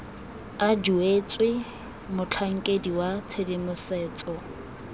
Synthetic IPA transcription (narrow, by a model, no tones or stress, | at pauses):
ad͡ʒuet͡sʼwɪ | mʊt͡ɬʰaŋ̩kʼediwat͡sʰedimʊsɛːt͡sʼɔ